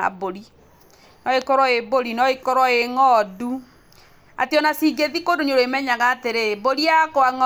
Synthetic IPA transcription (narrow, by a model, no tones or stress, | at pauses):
a̰boɾi | nɔekɔɾɔeboɾinɔekɔɾɔeŋɔdu | a̰tjɔnasiɡeðikodoɲoɾoemɛɲaɣaːteɾeboɾiakwaŋɔ